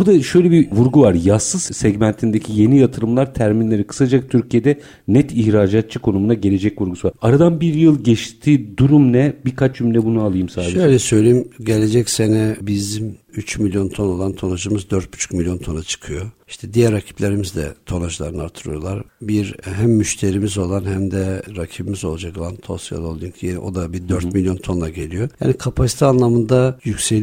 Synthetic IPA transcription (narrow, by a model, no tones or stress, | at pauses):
bud̪aʃø̞jlʲɛbivuɾɡuvaɾjasɯz̥sɛɟmænt̪ʰind̪ecʰije̞nijat̪ʰɯɾɯmlˠaɾt̪ʰæɾminlʲe̞ɾikʰɯ̥sad͡ʒak̚t̪ʰyɾcʰijed̪ɛ | nɛt̪ʰiçɾaːd͡ʒat̪̚t͡ʃʰɯkʰo̞numunaɟe̞lʲe̞d͡ʒɛcvuɾɡusuvaɾaɾad̪anbiɾjɯlˠɟɛt͡ʃt̪ʰiːd̪uɾumnɛbiɾkʰat͡ʃjymlʲɛbunualˠɯjɯmsaːʃd̪ʃeøjlʲɛsø̞jlʲejimɟelʲed͡ʒɛcsenɛbizimyt͡ʃmilʲjo̞nt̪ʰo̞no̞lˠant̪ʰo̞nad͡ʒɯmɯzd̪øɾt̪̚by̥t͡ʃʰy̥milʲjo̞nt̪ʰo̞nat͡ʃʰɯ̥kʰɯjo̞i̥ʃt̪ʰɛd̪ijæɾːacʰi̥plʲeɾimizd̪ɛ̰t̪ʰo̞naʒɯlˠa̰ɾɯnɯa̰ɾt̪ʰɯɾɯ̰jo̞lˠaɾbiɾɦæmːyʃt̪ʰe̞ɾimizo̞lˠanhæmd̪ɛɾacʰibimizo̞lˠad͡ʒako̞lˠant̪ʰo̞̰sja̰lˠolˠd̪ijinɛ̰ʔo̞̰d̪abid̪øɾt̪milʲjo̞nt̪ʰo̞nlˠaɟe̞lʲijo̞ja̰ːnikʰapʰasi̥t̪ʰianlˠamɯnd̪ajycsel